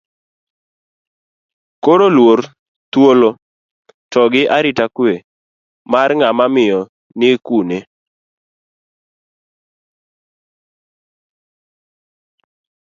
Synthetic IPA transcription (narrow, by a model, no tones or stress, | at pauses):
koɾolwor | t̪wolo | tɔɡɪʔaɾɪtakwe | marŋamamɪjɔ | nɪkune